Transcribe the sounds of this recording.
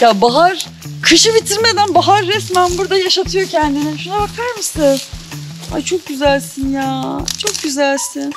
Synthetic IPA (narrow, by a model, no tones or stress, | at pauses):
jaːbaɦaɾ̥ | kʰɯʃɯbit̪ʰiɾme̞d̪ænbaɦaɾːɛsmænbuɾd̪ajaʃat̪ʰɯjo̞cʰɛnd̪inɪʃunabakʰaɾmɯsɯn | ha̰t͡ʃʰo̞k̚ɟyzælʲsinjaːt͡ʃʰo̞k̚ɟyzælʲsin